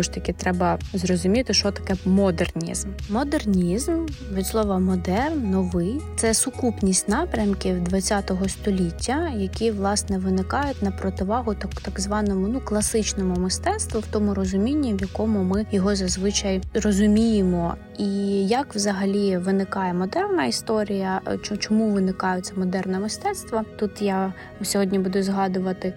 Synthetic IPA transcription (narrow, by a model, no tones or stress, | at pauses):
ɔʃt̪ɐkʲɪt̪ɾɛbɐzrɔzʊmʲit̪ɪʃt͡ʃɔt̪ɐ̥kɛmɔd̪ernʲḭzmːɔd̪ernʲizmʋʲid̪ʲslˠɔʋɐmɔd̪ɛrnːɔʋɪjt̪sɛsʊkupnʲisʲtʲnɑpɾʲɐmkʲɪwd̪ʋɐt͡sʲːɑt̪ɔɦɔst̪ɔlʲitʲːɐjɐkʲiʋlˠɑsnɛʋɪnɪkɑjʊt̚ʲnɐpɾɔt̪ɪʋɑɦʊt̪ɐkt̪ɐɡzʋɑnɔmʊnuklˠɐsɪt͡ʃnɔmʊmɪst̪ɛt̪st̪ʋʊwt̪ɔmʊɾɔzʊmʲinʲːiwjɐkɔmʊmɪjɔɦɔzɐzʋɪt͡ʃɐjrɔzʊmʲijɪmɔ | ijɐkʋzɐɦɐlʲiʋɪnɪkɑjɛmɔd̪ɛrnɐist̪ɔɾʲijɐt͡ʃt͡ʃɔmuʋɪnɪkɑjʊt̪ʲsʲɛmɔd̪ɛrnɛmɪst̪ɛt̪st̪ʋɐt̪ut̪ja | ʊsʲɔɦɔdʲnʲibud̪ʊzɦɑd̪ʊʋɐt̪ɪ